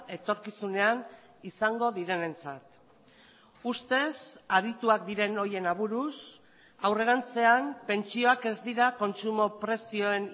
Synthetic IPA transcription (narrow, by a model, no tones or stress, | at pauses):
e̞t̪o̞ɾkisune̞an | isaŋɡo̞ðiɾe̞ne̞nt͡sat̪ | ust̪e̞sað̞it̪uak̚d̪iɾe̞no̞je̞naβ̞uɾus | awre̞ɾant͡se̞ampe̞nt͡sio̞ake̞zd̪iɾako̞nt͡sumo̞pɾe̞sio̞e̞n